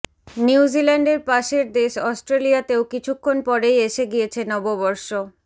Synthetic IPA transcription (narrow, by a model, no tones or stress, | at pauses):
niwd͡ʑilaɳɖeɾpaʃeɾd̪eʃɔsʈɾelijat̪eokit͡ɕʰukʰːonpɔɾejeʃeɡijet͡ɕʰenɔbobɔɾʃo